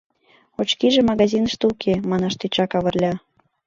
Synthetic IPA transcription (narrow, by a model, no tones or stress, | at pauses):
ot͡ɕkiʒemɑɣɑzʲinəʃt̪eukʰemɑnɑʃt̪et͡ɕɑkɑβɤrlʲɑ